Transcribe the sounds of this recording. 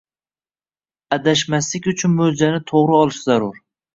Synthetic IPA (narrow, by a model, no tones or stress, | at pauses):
æd̪aʃmaslɪkʲyt͡ʃʰʊnmɵld͡ʒanɪt̪ʰoʁɾɨɒlˠɪʃzaɾʊɾ